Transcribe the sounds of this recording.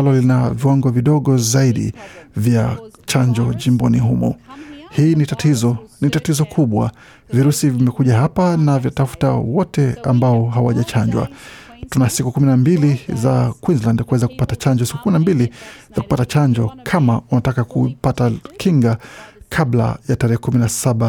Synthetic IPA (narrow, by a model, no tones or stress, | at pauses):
lɔlinaviwaŋɡɔviɗɔɠɔzaiɗḭvjat͡ʃaɲd͡ʒɔʄimbɔniɦumɔ̰hiːnitatʰizɔnitatizɔkʰuɓwa̰ | viɾusivimɛkuʄaɦapanaviatafu̥ta̰wɔtɛa̰mbaɔɦawa̰ʄat͡ʃaɲd͡ʒwa̰ | tunasikukuminambiliza̰kwinzlandkuwɛzaku̥patat͡ʃaɲd͡ʒɔsi̥kukuminambilivaku̥patat͡ʃaɲd͡ʒɔkʰamaunatakakupatakʰiŋɡakʰaɓla̰jataɾɛhɛkuminasaɓa